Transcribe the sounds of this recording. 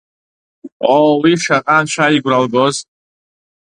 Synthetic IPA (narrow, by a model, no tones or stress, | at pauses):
owiʂaqʼanʃʰʷaiɡʷralɡoz